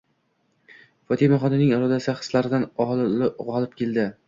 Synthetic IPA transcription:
fɒt̪ʰɪmaχɒnɪnɪŋɪɾɒd̪asχɨ̥slaɾɪd̪anɒlɪʁɒlˠɪp̚kʲʰe̞ld̪ɪ

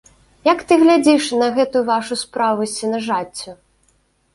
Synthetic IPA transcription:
jɐkt̪ɨɣlʲad͡zʲiʂnɐɣɛt̪ujuvaʂuspɾavusʲt͡sʲinɐʐat͡sʲːʊ

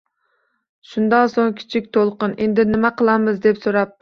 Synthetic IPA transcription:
ʃund̪ɑnsoŋkʲʰi̥t͡ʃʰikʲt̪ʰolˠqənend̪ɪnɪmɛqʰəlˠɑmɨzd̪ɛpsoɾɑp̚

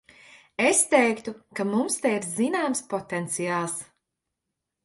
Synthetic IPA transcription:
est̪ɛjkt̪ukamumst̪ɛiɾzinaːmspɔt̪ɛnt̪sijaːlˠs

